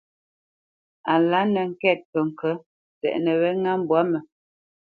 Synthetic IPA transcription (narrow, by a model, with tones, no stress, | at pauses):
a˨la˨˦nə˨ŋ̩˦kɛ˦˨t̚pə˨ŋ̩˨kə˦ | tɛ̰˨ʔnə˨βɛ˦ŋa˦m˦bwa˨˦mə˨